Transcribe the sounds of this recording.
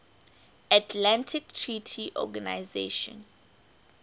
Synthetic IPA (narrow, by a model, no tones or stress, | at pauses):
atʰlãntʰik̚tʰɹitʰiʔɔ̰ɡanajzḛʃɔ̰̃n